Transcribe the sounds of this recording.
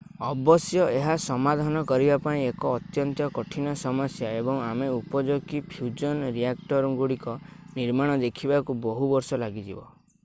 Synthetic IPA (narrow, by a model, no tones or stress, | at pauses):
ɔbɔsjɔeɦasɔmad̪ʱanɔkɔɾibapaĩekɔːt̪jɔnt̪jɔkɔʈʰinɔsɔmɔsjaebɔŋameupɔd͡ʒoɡipʰjud͡ʒɔnɾiakʈɔɾŋɡuɽikɔniɾmaɽ̃ɔd̪ekʰibakubɔɦubɔɾsɔlaɡid͡ʒibɔ̰